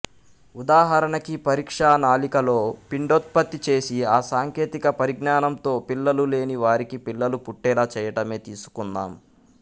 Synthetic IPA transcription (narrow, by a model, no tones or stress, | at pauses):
ud̪aːɦɐɾɐɳɐkipɐɾiːkʂaːnaːlikɐlo̞ːpiɳɖot̪̚pɐt̪ːit͡ʃe̞ːsiaːsaːŋke̞ːt̪ikɐpɐɾiɡnaːnɐmt̪o̞ːpilːɐlule̞ːniʋaːɾikipilːɐlupuʈːɛːlɐt͡ʃɛːjɐʈɐme̞ːt̪iːsu̥kund̪a̰ːm